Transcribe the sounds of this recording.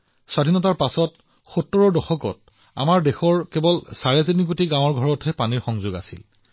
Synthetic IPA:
swadʱinɔtaɹpasɔt | xutːɔɹɔdɔxɔkɔt̚ | a̰maɹdexɔɹkebɔlsaɹɛtinik̬otiɡãw̃ɔɹɡʱɔɹɔtʰɛpaniɹxɔŋzʊɡa̰sḭl

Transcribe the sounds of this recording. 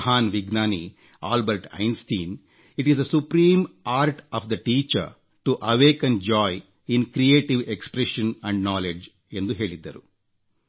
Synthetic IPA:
ɦaːnʋiɡnaːni | a̰ːlbɐɾʈɐ̰jnst̪iːn | iʈizɐsupɾiːmaːɾʈɔːʋd̪ɐʈiːt͡ʃɐ̰ɾ | ʈuʔɐʋeːkɐ̃nd͡ʒɔːj | inkɾieːʈiʋekspɾɛʃɐ̃nɐ̃ɳɖnaːled͡ʒ | end̪uɦeːɭid̪ːɐɾu

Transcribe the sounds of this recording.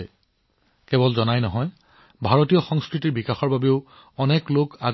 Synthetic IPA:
kɛbɔlzɔnajnɔɦɔj | bʱaɹotijɔxɔŋskɹit̬iɹbikaxɔɹbabeʊ | ɔnɛkloka

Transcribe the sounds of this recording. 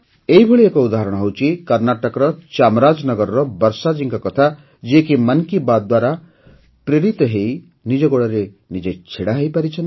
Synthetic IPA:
ejbʱʌɭiekoud̪aɦɾʌɽ̃ɦʌwt͡sʰikʌrnaʈʌkɾʌt͡ʃamɾad͡znʌɡʌɾːʌbʌɾsad͡ziŋkakʌt̪ʰa | d͡ziekimʌnkibad̪waɾa | preɾit̪ɦej | nid͡zʌɡoɽaɾe | nid͡zejt͡sʰeɽaɦʌjpaɾit͡sʰʌn

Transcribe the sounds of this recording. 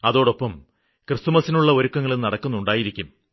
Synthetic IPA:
ɐðo̞ːɽo̞pːɐm | krɨst̪umɐsinuɭːɐo̞ɾukːɐŋːɐɭennɐɽɐkːunːuɳɖaːjiɾikʲːum

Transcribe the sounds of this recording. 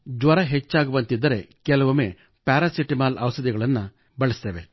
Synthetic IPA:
d͡ʒʋɐɾɐɦet͡ʃːaːɡuʋɐnt̪id̪ːɐɾe̞kɛlɐʋɐmeː | paːɾasiʈimaːlɐʋɐsɐd̪iɡɐɭɐnːɐ | bɐɭɐst̪eʋe̞

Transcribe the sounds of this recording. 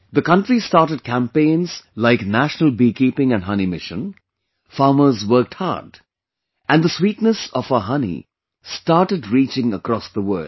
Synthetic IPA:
ðəkʌ̃ntɹistɑɾʈəd̚kʰæ̃mpẽɪ̃nz̥laɪknæʃnəl̩ˠbikipɪ̃ŋɨ̃nɦʌnimɪʃə̰̃n | fɑːməzwɜ˞k̚thɑ̰d | ʔæ̃nd̪əswiːtnəsɔfəɦʌnḭ | staːʈədɹiːt͡ʃɪ̃ŋəkɾɔsðəwɜ̰˞

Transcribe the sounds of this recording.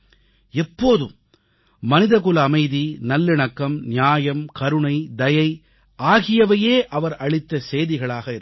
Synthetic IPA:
ɛpːoːðɯmː | ɐnɪðɐkɯlɐːmɐɪðinɐlːɪɳɐkːɐmnɪjaːjɐmkɐɾɯɳɐɪd̪ɐjɐɪ | ʔaːɣɪjɐʋɐjeːʔɐʋɐɾɐɭɪt̪ːɐseːjðɪɣɐɭaːɣɐɪɾ

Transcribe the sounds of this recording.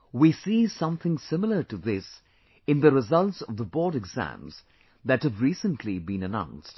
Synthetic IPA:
wisisʌ̃mθɪ̃ŋsɪ̃ml̩ˠə˞tɨðɪs | ɨ̃nðɨɾɨzʌlˠtsʌvðəbɔːɹɾɨɡz̥æ̰̃mz̥ | ðɨt̚hɨvɹisə̃ntʰlibĩnɨnã̰ʊ̃nst

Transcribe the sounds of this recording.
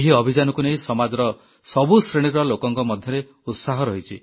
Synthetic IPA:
eɦiɔbʱid͡ʒanɔkunejsɔmad͡ʒɔɾɔ | sɔbusɾeɽ̃iɾɔlokɔŋkɔmɔd̪ʱjɔɾe | ut̪saɦɔɾɔɦit͡ʃʰi

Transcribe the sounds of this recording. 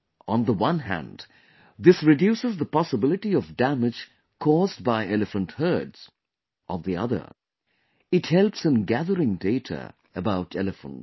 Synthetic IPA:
ə̃nðəwʌ̃nɦæ̰̃nd | ðɪsɹɨdjuːsɨzðəpɑsəbɪlɨʈiʌvdæmɨd͡ʒ̥ | kʰɔzdbaɪʔɛlˠɨfə̃nthɜ˞dz̥ | ʔənðiʌ̰ðə̰˞ | ɨthɛlˠpsə̃nɡæðəɾɪ̃ŋdeɪɾʰə̰ | əbaʊɾɛlɨfə̰̃nt

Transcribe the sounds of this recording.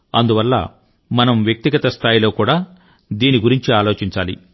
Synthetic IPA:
ɐnd̪uʋɐlːɐ̰ | mɐnɐmʋjɐk̚t̪iɡɐt̪ɐst̪ʰaːjilo̞ːkuːɽaː | d̪iːniɡuɾiɲt͡ʃiaːlo̞ːt͡ʃiɲt͡ʃaːlḭ

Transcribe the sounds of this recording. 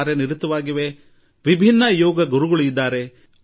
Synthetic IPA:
ɾeniɾut̪ːɐʋaːɡiʋe̞ | ʋibʱinːɐjɔːɡɐɡuɾuɡɐɭujid̪ːaːɾe̞

